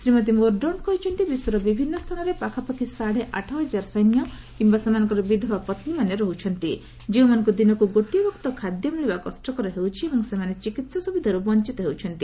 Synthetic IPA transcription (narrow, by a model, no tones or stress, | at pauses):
sɾimɔt̪̬imoɾɖɔɳkɔɦit͡ʃʰɔnt̪ibisɔɾɔbibʱinːɔst̪ʰanɔɾepakʰapɔkʰisaɽ̤eʔaʈʰɔɦɔd͡ʒaɾɔsɔjnjɔkimbasemanɔŋkɔɾɔbid̪ʱɔbapɔt̪nimaneɾɔɦut͡ʃʰɔnt̪i | d͡ʒiũmanɔ̃ŋkud̪inɔkuɡoʈijɔbɔkt̪ɔkʰad̪jɔmiɭibakɔsʈɔkɔɾɔɦewt͡ʃʰiebɔŋsemanet͡ʃikit̪sɔsubid̪ʱaɾubɔnt͡ʃit̪ɔɦewt͡ʃʰɔnt̪i